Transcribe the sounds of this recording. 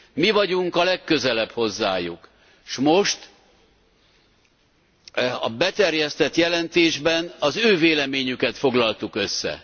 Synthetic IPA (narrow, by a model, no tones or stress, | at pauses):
mivɒɟuŋkɒlɛkːø̞zɛlɛpho̞zːa̰ːjṵk | ʃmo̞ʃt̪ | ɒ̰bɛt̪ɛrjɛst̪ɛt̪jɛlɛnt̪eːʒbɛnɒzøːveːlɛmeːɲykɛt̪fo̞ɡlɒlt̪ukøsːɛ̰